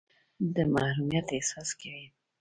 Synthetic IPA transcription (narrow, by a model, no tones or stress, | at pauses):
d̪əmahɾumijat̪ehsɑskawi